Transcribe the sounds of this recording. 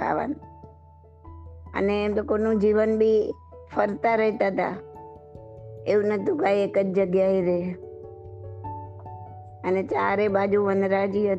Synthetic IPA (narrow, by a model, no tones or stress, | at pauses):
a̰ʋa̰n | ə̰neːmt̪okonũd͡ʒiʋənbʱi | fəɾt̪aɾəɦit̪aɦt̪a̰ | eũnət̪ʰũkaiekəd͡ʒd͡ʒəɡjaiɾe | ənet͡ʃaɾebad͡ʒuʋənɾad͡ʒiə